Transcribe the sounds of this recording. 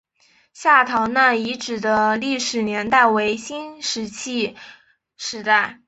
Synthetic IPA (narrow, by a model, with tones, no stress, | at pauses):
ɕja˥˩t̪ʰɑ˧˥ŋnə˥˧i˧˥ʈ͡ʂɻ̩˨˩d̪ə˦li˥˩ʂɻ̩˨˩njɛ˧˥nt̪a˥˩ɪwe˧˥ɪɕi˥nʂɻ̩˧˥t͡ɕʰi˥˩ | ʂɻ̩˧˥t̪a˥˩ɪ